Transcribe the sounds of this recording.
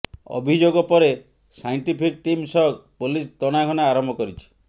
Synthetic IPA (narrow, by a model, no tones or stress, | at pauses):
ɔ̰bʱid͡ʒoɡɔpɔɾe | sajɳʈipʰik̚ʈimsɔɦɔkpolist̪ɔɽ̃aɡʱɔnaaɾɔmbʱɔkɔɾit͡ʃʰi̥